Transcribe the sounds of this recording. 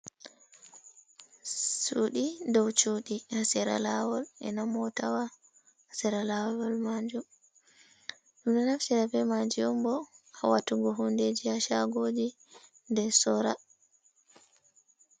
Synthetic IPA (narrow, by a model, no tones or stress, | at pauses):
suɗidɔwt͡ʃuɗihasɛɾa̰lawɔlɛ̰namɔtawa | hasɛɾalawɔɔlmad͡ʒum | ɗumdɔnaft͡ʃiɾabɛmaɲd͡ʒiɔmbɔawatuɡɔɦunded͡ʒihaʃaɡoːd͡ʒi | ndɛsɔɾa